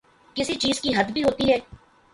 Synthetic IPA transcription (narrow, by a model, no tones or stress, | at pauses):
kɪsit͡ʃiːzkiɦɐd̪bʱiːɦoːt̪iɦɛː